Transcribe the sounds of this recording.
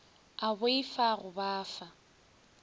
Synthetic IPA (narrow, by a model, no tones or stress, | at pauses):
abʊeifaɣʊbaːfa